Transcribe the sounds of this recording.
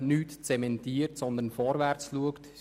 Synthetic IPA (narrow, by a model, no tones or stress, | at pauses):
nyːtt͡sɛmɛntiːɾtsɔnd̪ənfɔɾvɛɾt͡sluəkt